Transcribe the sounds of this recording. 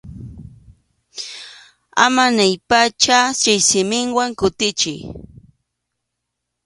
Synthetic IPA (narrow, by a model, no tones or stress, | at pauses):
a̰manajpat͡ʃasɪjsɪmɪŋwaŋkʊt̪ɪt͡ʃɪj